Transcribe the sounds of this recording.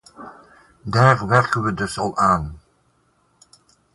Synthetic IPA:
daːʁʋɛɹkənʋədɵsɑlaːn

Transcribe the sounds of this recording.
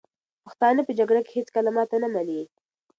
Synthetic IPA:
pəxt̪ɑnəpəd͡ʒaɡɽake̥het͡skalamɑt̪anamani

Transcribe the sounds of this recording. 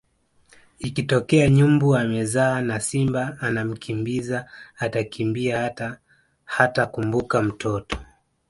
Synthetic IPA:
ikitɔkɛaɲumbuamɛzaːnasimbaːnam̩kʰimbizaːtakʰimbia | hatakumbukam̩tɔtɔ̥

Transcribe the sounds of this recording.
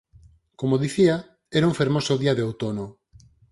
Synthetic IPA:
komoðiθia | eɾũŋfeɾmosoðiaðeowt̪ono

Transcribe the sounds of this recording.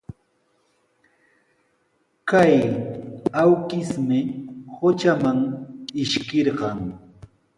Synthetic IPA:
kaj | awkɪsmɪhot͡ʃamaŋɪʃkɪɾɢɑŋ

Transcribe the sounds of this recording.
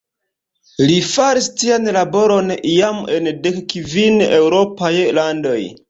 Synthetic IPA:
lifaɾistianlabo̞ɾo̞nijame̞ndekkvinewɾo̞pajlando̞j

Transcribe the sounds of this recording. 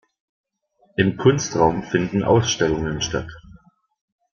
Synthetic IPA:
ʔɪmkʰʊnstʁaʊmfɪndn̩ʔa̰ʊsʃtɛlʊŋənʃta̰t

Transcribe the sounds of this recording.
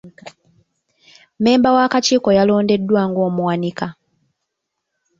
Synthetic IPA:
me̞ːmbawakaciːko̞jalo̞ːnde̞dːwaːŋɡo̞ːmwanika

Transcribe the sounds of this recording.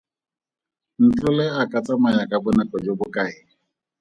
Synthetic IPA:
n̩t͡ɬʊlɛakʼat͡sʼamajakʼabʊnɛkʼɔd͡ʒobʊkʼaɪ

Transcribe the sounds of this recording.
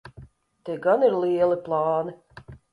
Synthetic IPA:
t̪eɡaniɾlˠiɛlˠiplˠɑːni

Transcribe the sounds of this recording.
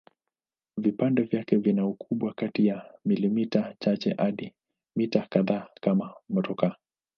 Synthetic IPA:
vipandɛvjakɛvinaukʰuɓwakatijamilimitat͡ʃat͡ʃɛ̰ʔaɗi | mitakaðaːkamamɔtɔka

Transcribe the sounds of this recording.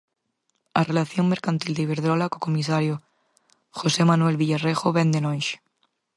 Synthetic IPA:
arelaθjoŋme̞ɾkant̪ild̪eiβ̞eɾð̞ɾolakokomisaɾjo | xose̞mãnwe̞lβiʎarexoβend̪enõnʃe̥

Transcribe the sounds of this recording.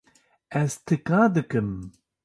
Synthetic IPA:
ɛzt̪ʰɨkãːd̪ɨkɨm

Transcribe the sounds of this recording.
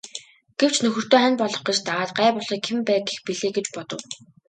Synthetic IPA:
ɡ̥ew̥t͡ɕnɵxɵ̆r̥t̪oːχænpɔɮɞ̆χɡet͡ɕt̪aʁaːt̪̚ɢæːpʊɮiːkʰempæːɡexpiɮeːɡet͡ɕpɔt̪ɞ̆w

